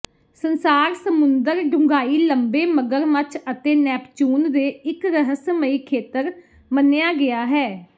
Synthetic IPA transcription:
sənsaːɾsəmʊnd̪əɾɖʱʊŋɡaːiːləmbeːməɡəɾmət͡ʃʰət̪eːnɛːpt͡ʃuːnd̪eːɪkɾəɦəsməiːkʰeːt̪əɾ | mənːejaːɡɪaːɦɛː

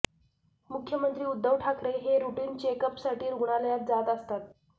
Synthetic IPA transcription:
mukʰːjəmənt̪ɾiːud̪ːəʋʈʰakɾeɦeɾuʈiːnt͡ɕekəpsaʈiːɾɡuɳ̃aləjat̪̚d͡zat̪əst̪at̪̚

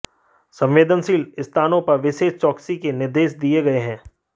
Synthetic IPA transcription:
sɐ̃mʋeːd̪ənsiːlɪst̪ʰaːnõpɐɾʋɪʃeːst͡ʃɔːksikenɪɾd̪eːʃd̪ieɡɐeɦɛ̃ː

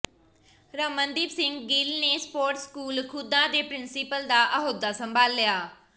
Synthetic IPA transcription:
ɾəmːənd̪iːbsɪ̃ŋɡɡɪlneːspoːɾʈskuːlkʰʊd̪ãːd̪eːpɾɪnsɪpəld̪aːʔəɦoːd̪ːaːsəmbʱaːlːɪjaː

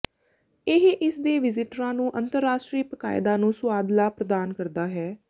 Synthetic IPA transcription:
ɪɦʔɪsd̪eːʋɪzɪʈɾãːnũːʔənt̪əɾːaːʃʈɾiːpəka̰ːɪd̪ãːnũːsʊaːd̪laːpɾəd̪aːnkəɾd̪aːɦɛː

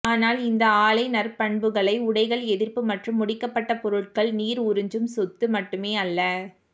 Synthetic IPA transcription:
aːnaːlɪnd̪ɐaːɭɐɪnɐɾpɐɳbɯɣɐɭɐɪʊɽɐɪɣɐɭɛðɪrpɯmɐʈrɯmːʊɽɪkːɐpːɐʈːɐpɔɾɯʈ̚kɐɭniːɾʊɾɯɲd͡ʒɯmsɔt̪ːɯmɐʈːɯmeːɐlːɐ

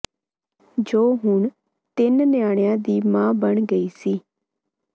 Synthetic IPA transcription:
d͡ʒoːɦʊɳ | t̪ɪnnjaːɽejãːd̪iːmãːbəɳɡəiːsiː

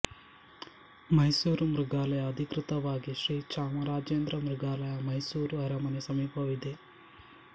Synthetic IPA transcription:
mɐjsuːɾumɾuɡaːlɐjɐɐd̪ʱikɾɪt̪ɐʋaːɡiʃɾiːt͡ʃaːmɐɾaːd͡ʒeːnd̪ɾɐmɾuɡaːlɐjɐmɐjsuːɾuɐɾɐmɐnesɐmiːpɐʋid̪e

